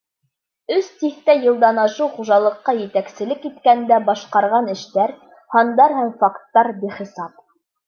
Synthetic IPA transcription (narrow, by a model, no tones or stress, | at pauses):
ɵst̪iθt̪æjɤ̆lˠd̪ɑnɑʃɤwχuʒɑlˠɤ̆qːɑjɘ̆t̪æksɘ̆lɘkːit̪kænd̪æbɑʃqɑɾʁɑnɘ̆ʃt̪æɾ | hɑnd̪ɑɾhæmfɑkt̪ːɑɾbiχĭsɑp̚